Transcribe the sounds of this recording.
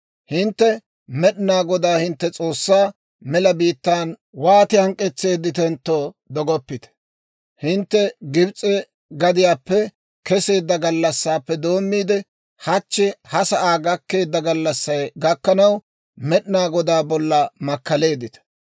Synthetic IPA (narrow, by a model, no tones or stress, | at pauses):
hɪnt̪ːɛ | mɛɗɪnaːɡɔd̪aːhɪnt̪ːɛt͡sʼo̞ːsːaː | mɛlɐbiːt̪ːaːn | waːt̪ɪhɐŋkʼːɛt͡sːe̞ːd̪ːɪt̪ɛnt̪ːoː | d̪ɔɡɔpːɪt̪ɛ̥ | hɪnt̪ːɛɡɪbt͡sʼːe | ɡɐd̪ɪjaːpːɛ | kɛse̞ːd̪ːɐɡɐlːɐsːaːpːɛd̪o̞ːmːiːd̪ɛ | hɐt͡ʃːɪhɐsɐʔaːɡɐkːe̞ːd̪ːɐɡɐlːɐsːɐjɡɐkːɐnɐw | mɛɗɪnaːɡɔd̪aːbɔlːɐmɐkːɐle̞ːd̪ɪt̪ɐ̥